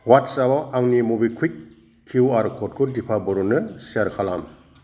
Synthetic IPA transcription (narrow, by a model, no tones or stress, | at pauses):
watsabaʔaŋnimubikʰik̚ | kʰːiwaɾkʰɔt̚kʰuɾdipʰabɔɾunɯsiaɾkʰalam